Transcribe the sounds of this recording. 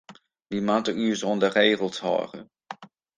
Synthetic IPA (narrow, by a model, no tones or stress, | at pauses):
ʋimatəysɔndəreːχəlˠshɔ̰ːrə̰